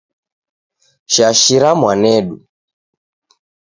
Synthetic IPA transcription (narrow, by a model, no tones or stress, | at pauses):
ʃaʃiɾamwanɛɗu